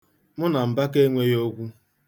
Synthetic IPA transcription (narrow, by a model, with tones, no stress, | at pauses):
mʊ˦na˨m̩˨ba˦ke˦ŋʷe˦jo˦kʷu˦